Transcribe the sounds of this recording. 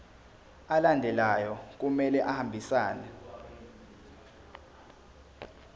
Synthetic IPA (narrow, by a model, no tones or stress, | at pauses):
alandʱɛlajɔk̬umɛlɛʔahambʱisaːna